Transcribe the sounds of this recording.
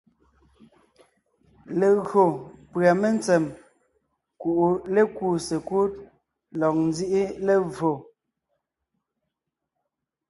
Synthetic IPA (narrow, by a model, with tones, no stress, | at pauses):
le˨ɣo˨pɰa˨me˦nt͡sɛ˨m | ku˨ʔu˨le˦kuː˦˨se˨ku˦t̚ | lɔ˨k̚n˦d͡zi˦ʔi˦le˦vo˨